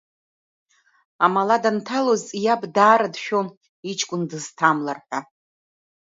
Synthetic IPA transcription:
amaladantʰalozʼijabdaːɾadʃᶣon | it͡ʃʰʼkʷʼʊndɨztʰamlarħʷᶣa

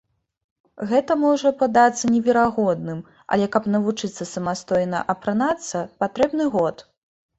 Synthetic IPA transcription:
ɣɛt̪ɐmɔʐɐpɐd̪at̪sːɐnʲɛvʲɛɾaɣɔd̪̚nɨm | ɐ̰lʲɛkɐpnɐvut͡ʂɨt̪sːɐsɐmast̪ɔjnɐ̰ʔɐpɾanat̪sːɐpat̪ɾɛbnɨɣɔt̪

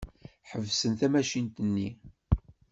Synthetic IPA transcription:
ħəvsənθæmæʃint̪ənːi

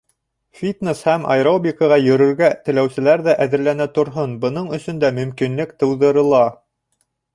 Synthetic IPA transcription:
fʲit̪neshæmʔɑ̰jɾobʲikɑʁɑjɵ̆ɾɵ̆ɾɡæt̪ɘ̆læwsɘ̆læɾðæʔæðɘ̆ɾlænæt̪ŏɾɦɤnbɤ̆nɤɴɵ̆sɵ̆nd̪æmɵ̆mkinlɘkt̪ɤ̆wðɤ̆ɾɤ̆lˠɑ

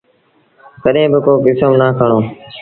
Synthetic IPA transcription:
kəɗẽːbɪkoːkɪsomnaːkʰəɽ̃oː

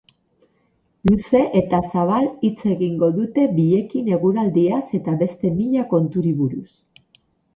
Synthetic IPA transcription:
luse̞ʔe̞t̪asaβ̞alit͡se̞ɣiŋɡo̞ðut̪e̞biʎe̞kine̞ɣuɾald̪iase̞t̪aβe̞st̪e̞miʎako̞nt̪uɾiβuɾus

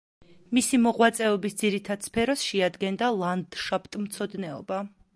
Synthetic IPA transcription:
misimɔʁwat̪sʼɛɔbisd̪ziɾit̪ʰad̪̥spʰɛɾɔsʃɛad̪ɡɛnd̪alˠand̪ʃapt̪ʼmt̪sʰɔd̪nɛɔ̰ba

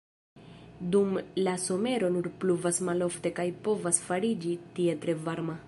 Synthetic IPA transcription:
d̪umlaso̞me̞ɾo̞nuɾpluvasmalo̞fte̞kajpo̞vasfaɾid͡ʒitiet̪ɾe̞vaɾma

